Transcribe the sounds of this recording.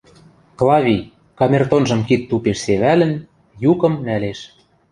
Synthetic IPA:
klˠɑβʲij | kɑmʲert̪onʒɤ̆mkit̪ːupeʃseβælə̆n | jukɤ̆mnæleʃ

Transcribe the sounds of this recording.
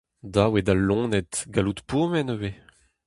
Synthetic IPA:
d̪awed̪alːɔ̃ːnɛt̪ɡalut̪poːmɛnøve

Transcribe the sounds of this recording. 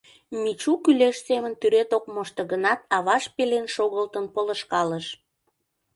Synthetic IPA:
mit͡ɕukyleʃsemənt̪yɾet̪okmoʃt̪ə̆ɣənɑt̪ɑβɑʃpelenʃoɣəlt̪ənpoləʃkɑləʃ

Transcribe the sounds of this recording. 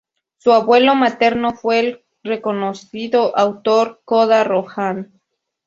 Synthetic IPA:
suaβwe̞lo̞mat̪eɾnofweːl | rekonosiðoʔawt̪oɾkoðaroxan

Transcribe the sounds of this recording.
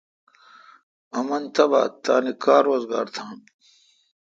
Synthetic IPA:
ɐmɐnt̪ʰɐba̰ːt̪aːnikaːɾwozɡaːɾt̪ʰaːn

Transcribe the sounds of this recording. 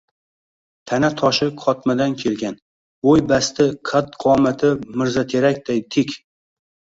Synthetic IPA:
t̪ʰanat̪ʰɒʃɪqʰɒt̪mad̪ankʲʰe̞lɡʲan | bojbast̪ɪqʰad̪qʰɒmat̪ʰɪmɪɾzat̪ʰeɾakʲd̪ajt̪ʰɪkʲ

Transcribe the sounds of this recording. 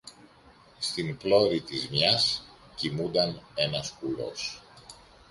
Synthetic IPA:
st̪implo̞ɾit̪izmɲɐs | cimund̪ɐne̞nɐspulo̞̰s

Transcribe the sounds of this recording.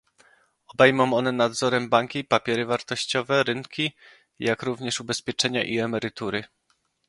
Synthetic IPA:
ɔbɛjmɔ̃mɔnɛnad̪zɔɾɛmbaŋkʲipapʲjɛɾɘvaɾt̪ɔɕt͡ɕɔvɛɾɘnkʲi | jakɾuvɲɛʂubɛspʲjɛt͡ʂɛɲaʔiɛmɛɾɘt̪uɾɘ

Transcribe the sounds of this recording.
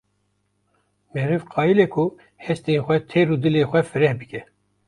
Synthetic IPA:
mɛhɾɨvqʰɑːjilekʰʊ | hɛst̪enxʷɛt̪ʰeɾuːd̪ɨleːxʷɛfɨɾɛhbɨkʲɛ

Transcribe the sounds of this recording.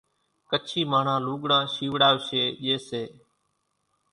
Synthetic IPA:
kət͡ʃʰiːmaːɳ̤ãːluːɠɽãːʃiːʋɽaːʋʃeːʄeːseː

